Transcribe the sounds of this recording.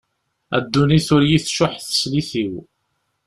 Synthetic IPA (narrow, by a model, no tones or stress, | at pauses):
æ̰d̪ːuniθʊɾjiθʃʊħθə̥sliθiw